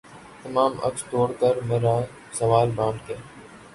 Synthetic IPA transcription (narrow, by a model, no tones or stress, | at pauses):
t̪əmaːmə̰kst̪oːɽkəɾmeːɾaː | səʋaːlbãːnd̪keː